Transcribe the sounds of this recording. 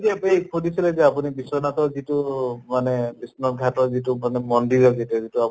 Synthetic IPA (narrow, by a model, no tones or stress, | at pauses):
zɛpejkʰudisilɛzɛapunibisɔnatɔzitumanepisnɔɹɡʱatɔɹzitumanɛmɔndiɾɔzitɔzitua